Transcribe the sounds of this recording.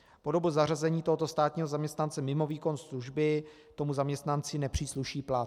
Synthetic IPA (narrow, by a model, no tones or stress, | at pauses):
po̞do̞buzarazɛɲiːt̪oɦo̞t̪o̞st̪aːt̪ɲiːɦozamɲɛst̪nant͡sɛmɪmo̞viːko̞nsluʒbɪ | t̪o̞muzamɲɛst̪nant͡sɪnɛpr̝̥iːsluʃiːplat